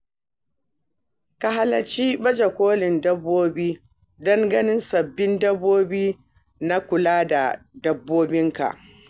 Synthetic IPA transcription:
ka˨ɦa˦lɐ˨t͡ʃiː˦bɐ˦d͡ʒe˨kʷoː˦lɪ˨ndɐ˦bːoː˦biː˦ | dɐ˦ŋɡɐ˦nɪ˦nsɐ˨bːɪ˦ndɐ˦bːoː˦biː˦ | na˦kʷʊ˨laː˦da˨dɐ˦bːoː˦bɪ˦ŋka̰˨ʔ

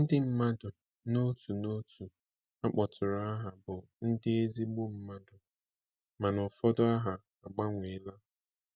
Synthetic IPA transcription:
n̩˦dɪ˦m̩˦ma˦dʊ˨ | no˦tu˨no˦tʰu˨ | a˦k͡pɔ˨tʊ˨ɾɔ˨˦a˦ɦa˨bʊ˨ | n̩˦dɪ˦e˦zi˦ɡ͡bo˦m̩˦ma˦dʊ˨ | ma˨nɔ˨fɔ˦dɔ˦a˦ɦa˨ | a˨ɡ͡ba˦ŋʷe˨la˦

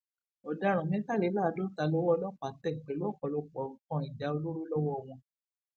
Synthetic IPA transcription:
ɔ˨da˨˧ɾ̃mĩ˦ta˦˨le˨˦la˦˨˧do˦ta˧˦lɔ˦wɔ˦ɔ˧˦lɔ˦˨k͡pa˨˦tɛ˦˨k͡pɛ˨lu˦ɔ˦˨kɔ˨lɔ˧˨k͡pɔ˨ũ˨˦kɔ̃˦i˨d͡ʒa˨˦o˧lo˦ɾo˦lɔ˦wɔ˦˨w̃ɔ̃˧

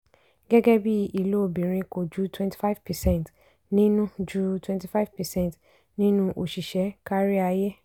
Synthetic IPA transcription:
ɡ̥ɛ˦ɡɛ˦bi˦i˨lo˦˨bĩ˨ɾ̃ĩ˧ko˨d͡ʒu˦tʰwɛ̃˦nti̥˨˦fa˦vpɛ˨sɛ̃˦˨nt | nĩ˦nũ˦d͡ʒu˦twɛ̃˦nti˨fa˦vpɛ˨sɛ̃˦˨n˨t | nĩ˦nũ˦ʔo˨ʃi˨ʃɛ˨˦ka˦ɾi˦a˧je˦

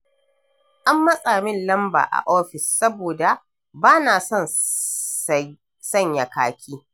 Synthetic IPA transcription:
ʔa˦mːɐ˦sʼaː˨mɪ˦nlɐ˦mba̰ː˨ʔa̰˨ʔoː˦ɸɪ˨sːɐ˦boː˨da˨ | baː˦naː˨sɐ˦˨n | sɐ˦ɲja˨kaː˦kʲʰiː˦

